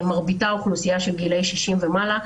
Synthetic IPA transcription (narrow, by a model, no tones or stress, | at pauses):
maʁbitauχlusijaʃelɡilejʃiʃimvemala